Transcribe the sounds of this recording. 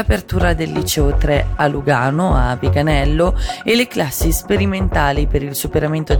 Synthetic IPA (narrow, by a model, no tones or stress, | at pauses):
apert̪uːɾad̪elːit͡ʃɛot̪ɾealuɡaːnoapiɡanɛlːoelːeklasːispeɾiment̪aːlipeɾilsupeɾament̪o